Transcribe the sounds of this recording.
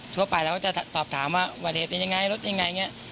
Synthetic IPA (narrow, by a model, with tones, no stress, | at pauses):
t̪ʰu˧˩ɐpa˧jlɛ˦˥kʰa˥˩t͡ɕa˨˩˨t̪ɔː˨˩p̚t̪ʰaː˩˦mwaː˥˩waː˧˩heː˨˩t̪̚pe˧nja˧ŋa˧jɾo˦˥t̪̚ja˧ŋa˧jŋi˦˥ɐʔ